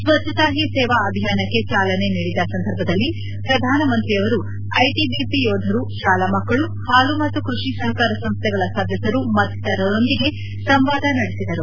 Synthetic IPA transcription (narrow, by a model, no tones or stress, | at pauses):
sʋɐt̪ːɐt̪aːɦisɛːʋaɐbʱijaːnɐkːe̞t͡ʃaːlɐne̞niːɽid̪ɐsɐnd̪ʱɐɾbʱɐd̪ɐlːi | pɾɐd̪ʱaːnɐmɐnt̪ɾiɐʋɐɾu | ɐjʈibipijɔːd̪ʱɐɾuʃaːlamɐkːɐɭu | haːlumɐt̪ːukɾuʂisɐɦɐkaːɾɐsɐmst̪ʰɛɡɐɭɐsaːd̪ʱjɐsɐɾumɐt̪ːt̪ɐɾɐɾo̞nd̪iɡe̞ | sɐmʋaːd̪ʱɐnɐɽesid̪ɐɾu